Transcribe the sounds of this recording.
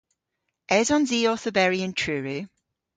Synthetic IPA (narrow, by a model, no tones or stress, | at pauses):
ʔɛzɔ̃nziːɔˑθəbɛɹiə̃ntʰɹʉːɹi